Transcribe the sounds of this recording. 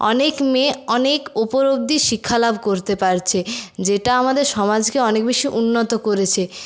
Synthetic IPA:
ɔ̰nekmeɔnekopoɾob̚d̪iʃikʰːalabʱkoɾt̪epaɾt͡ɕʰed͡ʑeʈaamad̪eɾʃɔmad͡ʑkeɔnekbeʃiʔunːot̪okoɾet͡ɕʰe

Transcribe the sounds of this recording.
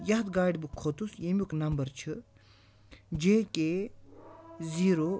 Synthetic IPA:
jɐɦt̪ɡaːɖʲbukʰːot̪usjemʲuknɐmbɐɾt͡ʃʰɨ | d͡ʒeːkʲe | ziːɾo

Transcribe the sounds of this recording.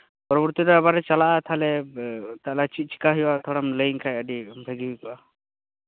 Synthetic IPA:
pɔɾɔbɔɾt̪iɾɔabaɾɛt͡ʃalaʔat̪ʰalɛt̪alat͡ʃit͡ʃi̥kaɦɛwat̪ʰɔɽamləjŋkʰajəɖibʱeɡibikɔwa

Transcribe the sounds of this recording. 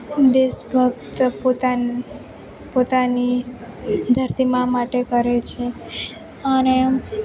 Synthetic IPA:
d̪eʃbʱəɡ̚t̪pot̪a | pot̪ani | d̪ʱəɾt̪imãmaʈekəɾet͡ʃʰe | əne

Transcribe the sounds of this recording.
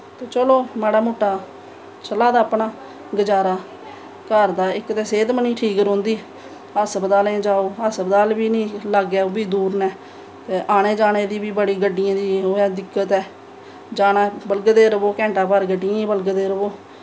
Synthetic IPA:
t̪eːt͡ʃəloːmaːɽaːmuːʈːaː | t͡ʃəlaːd̪aːpɳaː | ɡəd͡ʒaːɾaː | kəɾd̪aːɪkt̪eːseːd̪məniːʈʰiːkɾõːnd̪iː | ɦəsbəd̪aːlẽːd͡ʒaːoːɦəsbəd̪aːlbiːnĩːlaɡɛːoːbiːd̪uːɾnɛː | t̪eːʔaːɽeːd͡ʒaːñeːd̪iːbiːbəɽiːɡəɖːɪjãːd̪iːɦoːɛːd̪ɪkːət̪ɛː | d͡ʒaːnaːbəlɡd̪eːɾəboːkɛ̃ːɳʈaːpəɾɡəɖːɪjãːbəlɡəd̪eːɾəʋoː

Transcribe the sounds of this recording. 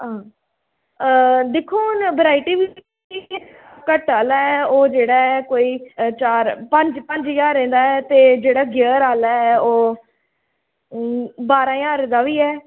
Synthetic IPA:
ãː | d̪ekʰːoːnbəɾaːiʈiːʋi | kəʈaːlaːɛːoːd͡ʒeːɽaːɛkoːiːt͡ʃaːɾpə̃ɲd͡ʒpə̃ɲd͡ʒjaːɾẽːnd̪aːɛːt̪eːd͡ʒeːɽaːɡjəːɾaːlaːɛːoː | baːɾãːjaːɾẽːd̪aːʋiːɛː

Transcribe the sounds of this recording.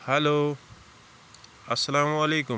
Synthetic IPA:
hɐloː | ɐsːɐlaːmɐleːkʊ

